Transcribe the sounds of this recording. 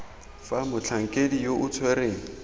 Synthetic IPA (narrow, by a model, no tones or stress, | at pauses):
famʊt͡ɬʰaŋ̩kʼedijoʔʊt͡sʰwereːŋ̩